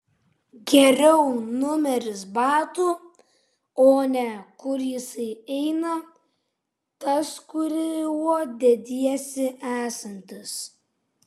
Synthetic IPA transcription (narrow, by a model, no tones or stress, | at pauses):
ɡʲɛɾʲɛʊnʊmʲɛɾʲɪsbɑːt̪uː | oːnʲɛkʊɾjɪsɐɪɛɪnɐ | t̪ɐskʊɾʲɪwuɔd̪ʲɛd̪ʲiɛsʲɪʔæːsɐnʲt̪ʲɪs